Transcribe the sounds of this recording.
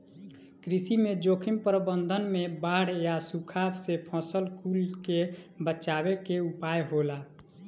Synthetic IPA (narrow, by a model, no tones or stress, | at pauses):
kɾisimed͡ʒokʰimpɾəbənd̪ʱənmebaɽjasukʰabsepʰɔ̃səlkulkebət͡ʃabekeupajɦola